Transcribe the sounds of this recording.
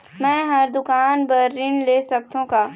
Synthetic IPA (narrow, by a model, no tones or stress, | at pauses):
mɛ̃ːɦɐɾd̪ʊkaːnbɐɾːɪnleːsɐk̚t̪õkaː